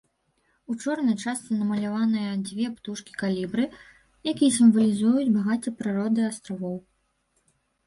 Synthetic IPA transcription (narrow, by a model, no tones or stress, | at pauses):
ut͡ʂɔrnɐjt͡ʂast̪sɨnɐmɐlʲavanɨjɐd͡zʲvʲɛpt̪uʂkʲi̥kalʲibɾɨ | jakʲijɐsʲimvɐlʲizujud͡zʲbaɣat̪ʲɐpɾɨɾɔd̪ɨast̪ɾavɔw